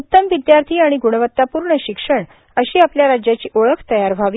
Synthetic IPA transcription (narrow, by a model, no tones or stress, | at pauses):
ut̪ːəmʋid̪jaɾt̪ʰiːaɽ̃iɡuɽəʋət̪ːapuɾɳəɕikʂəɳ | əɕiːapljaɾad͡ʑjat͡ɕiːʔoɭəkʰt̪əjaɾbʱaʋi